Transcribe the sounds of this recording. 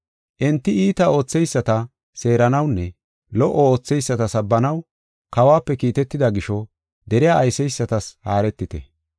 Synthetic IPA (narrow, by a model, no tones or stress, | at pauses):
ʔɛnt̪ːɪiːt̪ɐo̞ːt͡sːɛjsːɐt̪ɐ | se̞ːɾɐnɐwnːɛ | lɔʔɔo̞ːt͡sːɛjsːɐt̪ɐsɐbːɐnɐw | kɐwaːpːɛkiːt̪ɛt̪ːɪd̪ɐɡɪʃɔ | d̪ɛɾɪjaːjsɛjsːɐt̪ɐshaːɾɛt̪ːɪt̪ɛ̰